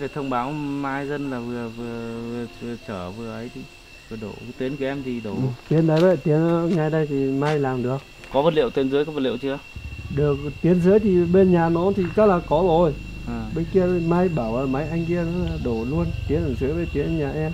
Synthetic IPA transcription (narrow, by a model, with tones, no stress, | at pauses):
e˨˩t̪ʰə˧wŋ͡mɓaː˨˦wmaː˧jzə˧nlaː˨˩vɨ˨˩əvɨ˨˩əvɨ˨˩əvɨ˨˩ət͡ɕəː˧˩vɨ˨˩əʔə˨˦jt̪ʰi˨˩ | vɨ˨˩ɗo̰˧˩˦t̪i˨˦ənkɨ˧˩əʔɛ˧mt̪i˨˩ɗo˧˩˨t̪i˨˦ənɗə˨˦jvɛ̰˧˩t̪i˨˦ən˨˦ŋa˧jɗə˧jt̪ʰi˨˩ma˧jlaː˨˩mɗɨ˨˩ək̚ | kɔ˨˦və˨˩lḭ˧˨wt̪i˨˦ənzɨ˨˦jkɔ˨˦və˨˩lḭ˧˨wt͡ɕɨ˧əɗɨ˨˩ək̚t̪i˨˦ənzɨ˨˦jt̪ʰi˨˩ɓe˧nɲaː˨˩nɔ˨˦t̪ʰi˨˩ka˦˥laː˨˩kɔ˨˦zo˨˩jʔːɓe˧ki˧ə˨˧ma˧jɓaː˧˩wʔaː˨˩ma˨˦jʔa˧jŋ̟ki˧ənɔ˨˦laː˨˩ɗo˧˩lu˧ənt̪i˨˦ənʔəː˧˩zɨ˨˦jve˧˩t̪i˨˦ən˧ɲaː˨˩ʔɛ˧m